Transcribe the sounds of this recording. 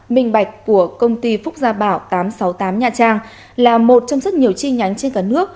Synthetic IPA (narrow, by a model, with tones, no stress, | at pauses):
ɓï˨˩ŋ̟ɓa˨˩jk̟̚ku˧˩əkə˧wŋ͡mt̪i˧fʊ˦˥k͡p̚zaː˧ɓaː˧˩wt̪aː˨˦msa˨˦wt̪aː˨˦mɲaː˨˩t͡ɕaː˧˩ŋ | laː˨˩mo˨˩t̚t͡ɕɔ˧wŋ͡mzə˦˥t̚ɲi˨˩əwt͡ɕi˧ɲa˨˦jŋ̟t͡ɕe˧nkaː˧˩nɨ˦˥ək̚